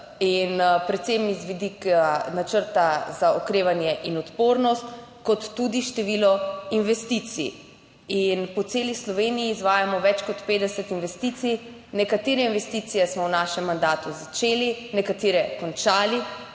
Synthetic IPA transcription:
inpɾɛt̪semizʋid̪ikanat͡ʃəɾt̪azaɔkɾeːʋanjɛʔinɔt̪poːɾnɔst̪ | kɔt̪ːud̪iʃt̪ɛʋilɔinʋɛst̪it̪sḭ | inpɔt̪seːlislɔʋenijiːzʋaːjamɔʋɛt͡ʃkɔt̪peːd̪ɛsɛt̪inʋɛst̪it̪si | nɛkat̪eːɾɛinʋɛst̪it̪sijɛsmɔwnaːʃɛmːand̪aːt̪uzat͡ʃeːlinɛkat̪eːɾɛkɔnt͡ʃaːli

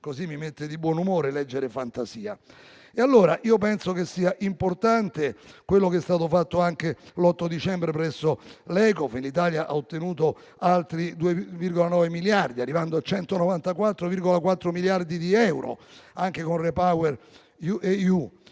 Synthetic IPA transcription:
kosimːimet̪ːed̪ibwɔnumoːɾelɛd͡ʒːeɾefant̪asiːa̰ | ealːoːɾaʔiːopɛnsokesːiːaʔimport̪ant̪ekwelːokeɛst̪aːt̪ofat̪ːoaŋkelɔt̪ːod̪it͡ʃɛmbɾepɾɛsːolɛːkɔfinlit̪aːljaʔa̰ot̪ːenuːt̪o | alt̪ɾid̪uːevirɡolanɔːvemiljard̪iarːivand̪oat͡ʃɛnt̪onovant̪akwat̪ːɾoviɾɡolakwat̪ːɾomiljard̪id̪iɛwɾo̰aŋkekonrepawer | uʔeju

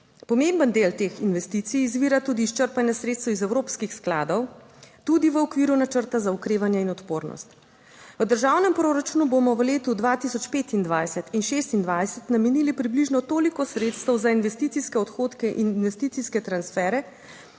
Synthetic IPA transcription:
pɔmembənd̪elt̪eːxinʋɛst̪it̪sijːzʋiːɾat̪uːd̪iːʃt͡ʃəɾpanjɛsɾet̪st̪wizɛwɾoːpskixskla̰ːd̪ɔw | t̪ud̪iʋəɔkʋiːɾunat͡ʃəɾt̪azaukɾeːʋanjɛinɔt̪poːɾnɔ̰st̪ | ʋəd̪əɾʒaːwnɛmpɾoːɾat͡ʃuːnubomɔʋəleːt̪ud̪ʋat̪isɔt͡ʃpeːt̪ind̪ʋajsɛt̪inʃeːst̪ind̪ʋajsɛt̪namɛniːlipɾibliʒnɔt̪oːlikɔsɾet̪st̪əwzainʋɛst̪iːt̪siskɛɔt̪xoːt̪kɛʔininʋɛst̪it̪siskɛt̪ɾansfɛɾɛ

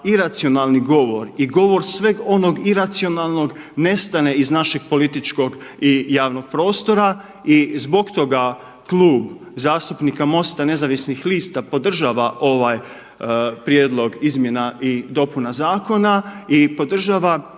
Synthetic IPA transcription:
iɾat̪sio̞naːlˠniɡo̞ʋo̞ɾiɡo̞ʋo̞ɾsʋe̞ɡo̞no̞ɡiɾat̪sio̞nalˠno̞ɡne̞st̪ane̞iznaʃe̞ɡ̥̚po̞lit̪it͡ʃko̞ɡijaːʋno̞ɡ̥̚pɾo̞ːst̪o̞ɾa | izbo̞ɡt̪o̞ɡa | klˠuːb | zaːst̪upnikamo̞st̪ane̞zaʋisnixliːst̪apo̞d̪r̩ʒaːʋaʔo̞ʋaj | pɾjeːd̪lˠo̞ɡizmje̞naʔid̪o̞punazaːko̞naipo̞d̪r̩ʒaːʋa

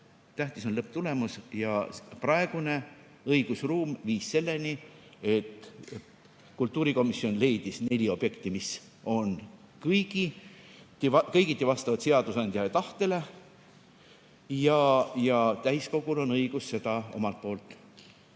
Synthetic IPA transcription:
t̪æht̪iso̞nlɤp̚ːˑt̪ule̞musjɑprɑe̞ɡ̥une̞ | ɤiɡ̥usruːmviːsse̞lːe̞nʲie̞t̪ː | kult̪ːˑuːɾiko̞misːio̞nle̞jd̪isne̞lʲio̞b̥je̞kt̪imis | o̞n | kɤjɡ̥i | t̪kɤjɡit̪ːˑevɑst̪ɑvɑt̪se̞ɑd̪usɑnd̪jɑet̪ɑht̪e̞le̞ | jɑjɑt̪æjsko̞ɡ̥ulo̞nɤiɡ̥usːe̞d̪ɑo̞̰mɑlt̪̚po̞ːlt̪ːˑ

